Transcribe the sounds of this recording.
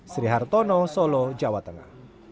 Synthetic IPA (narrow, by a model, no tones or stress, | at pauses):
sɾiɦart̪ɔnɔsɔlɔd͡ʒawat̪əŋa̰h